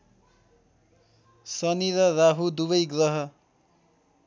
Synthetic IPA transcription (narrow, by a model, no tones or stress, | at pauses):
sʌniɾʌraɦud̪uβʌjɡrʌɦʌ